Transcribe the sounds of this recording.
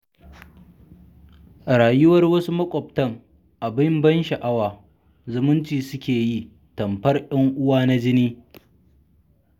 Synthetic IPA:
ɾaː˨jʊ˦wɐ˦rwɐ˦su˦mɐ˦kʷʼɔ˨b̚tɐ˦ŋ | ʔa˨bɪ˦mbɐ˦nʃɐ˨ʔa˦waː˨ | zʊ˨mʊ˦nt͡ʃiː˨sʊ˦kʲeː˨ji˦ | tɐ˨mɸɐ˦rʔɐ˦ŋʔʊ˦waː˦na˦d͡ʒɪ˦niː˦

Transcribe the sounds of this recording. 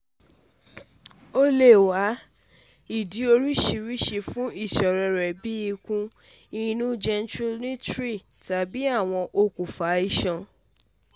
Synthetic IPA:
o˦le˦˨wa˨˦ | i˦˨di˨˦o˧ɾi˦ʃi˧ɾi˦ʃe˧fũ˦i˦˨ʃɔ˨ɾɛ˧ɾɛ˨bi˦i˧kũ˧ | i˧nũ˦d͡ʒɛ˧ntɾu˦nĩ˦tɾi˦˨ | ta˨bi˦a˦˨w̃ɔ̃˧ʔo˧kũ˨fa˨˦i˦˨ʃã˧

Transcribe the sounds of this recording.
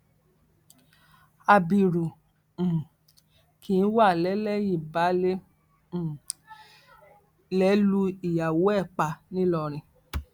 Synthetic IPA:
a˧bi˨ɾũ˨ | ki˨˦wa˦˨lɛ˨˦lɛ˦ji˦˨ba˨˦lẽ˦˨ | lɛ˨˦lu˧i˨ja˨wo˨˦ɛ˦˨k͡pa˧nĩ˦lɔ˧ɾ̃ĩ˧

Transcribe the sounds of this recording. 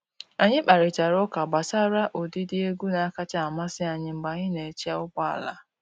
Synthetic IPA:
a˨ɲɪ˦k͡pa˨ɾɪ˨t͡ʃa˨ɾʊ˦ka˨ɡ͡ba˨sa˦ɾa˦ʔo˨di˦dɪ˦e˦ɡu˦na˨˦ka˦t͡ʃa˦a˨ma˦sɪ˦a˨ɲɪ˦ŋ͡m̩˨ɡ͡ba˨ɲɪ˦ne˨t͡ʃi˦a˦ʊ˦ba˦a̰˨la̰˦

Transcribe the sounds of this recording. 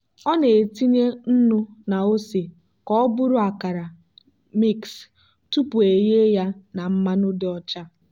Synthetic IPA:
ɔ˦ne˨e˨ti˦ɲe˦n̩˦nʊ˦na˨o˦se˨ | kɔ˦ɔ˦bʊ˦ɾʊ˦a˨ka˨ɾa˨ | mi˦ks | tu˦pu˨e˨je˦ja˦na˨m̩˦ma˦nʊ˦dɪ˦ɔ˦t͡ʃa˦

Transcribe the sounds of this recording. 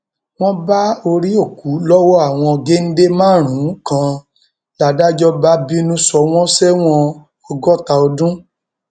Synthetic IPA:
w̃ɔ̃˦ba˦o˧ɾi˦o˦˨ku˨˦lɔ˦wɔ˦a˦˨w̃ɔ̃˧ɡe˦n̩˦de˦mãː˦˨ɾ̃ũ˨˦kã˧ | la˨da˦d͡ʒɔ˦ba˦bi˦nũ˦sɔ˧w̃ɔ̃˦sɛ˦w̃ɔ̃˦ | ɔ˧ɡɔ˦ta˧o˧dũ˦

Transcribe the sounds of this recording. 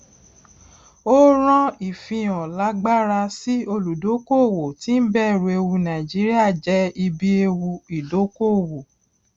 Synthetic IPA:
o˦ɾ̃ɔ̃˦i˨fĩ˧ɔ̃˨la˨˦ɡ͡ba˦ɾa˧si˦o˧lu˨do˨˦ko˦˨wo˨ti˨˦n̩˦bɛ˦˨ɾu˨e˧wu˧nã˨i˨d͡ʒi˨˦ɾi˦a˦˨d͡ʒɛ˨˦i˧bi˦e˧wu˧i˨do˨˦ko˦˨wo˨

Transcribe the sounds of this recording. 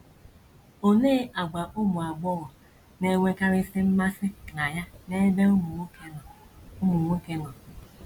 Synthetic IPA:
o˨neː˦a˨ɡ͡ba˨ʔʊ˦mu˨a˨ɡ͡bɔ˦ɣɔ˨ | ne˨ŋʷe˦ka˦ɾɪ˦sɪ˦m̩˦ma˦sɪ˦kna˨ja˦ne˦be˦m˨˦ | mu˨ŋʷe˦ke˦nɔ˨

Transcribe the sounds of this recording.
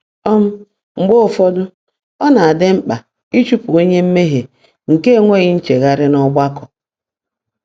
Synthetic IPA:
ɔ˦m̩˦ | ŋ͡m̩˨ɡ͡bo˦˨fɔ˦dʊ˦ | ɔ˦na˨a˨dɪ˦m̩˦k͡pa˨ | i˦t͡ʃu˦pu˨o˦ɲe˦m̩˦me˦ɦe˨ | ŋ̩˨ke˦˨ŋʷe˦˨ɣɪ˦n̩˦t͡ʃe˨ɣa˨ɾɪ˦nɔ˦ɡ͡ba˦kɔ̥˨

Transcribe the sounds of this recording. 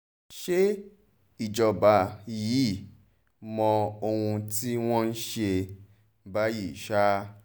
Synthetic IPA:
ʃe˦ | i˨d͡ʒɔ˨ba˨jiː˨˦˨ | mɔ̃˧o˧hũ˧ti˦w̃ɔ̃˦n̩˦ʃe˧ | ba˦ji˦˨ʃa˦

